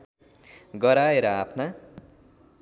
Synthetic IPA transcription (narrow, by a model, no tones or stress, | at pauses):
ɡʌɾaeɾʌapʰna